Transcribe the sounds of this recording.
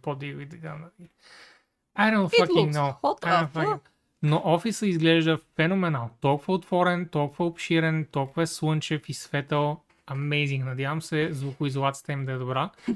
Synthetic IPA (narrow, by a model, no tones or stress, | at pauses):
pod̪ilid̪ɛd̪a̰nɐli | ajd̪õnt̪fɐkĩŋɡnoadõfəkiŋ | noʔɔfisəizɡlɛʒd̪əfɛnomɛnalˠt̪ɔlˠkʊvəot̪vɔɾɛnt̪ɔlˠkʊvəopʃiɾɛnt̪ɔlˠkʊvəswənt͡ʃɛfisvɛt̪əlˠ | ɐmɛjzĩŋɡnɐd̪javɐmsɛzvokʊizolˠat̪si̥ə̥t̪əimid̪ɐɛd̪obɾa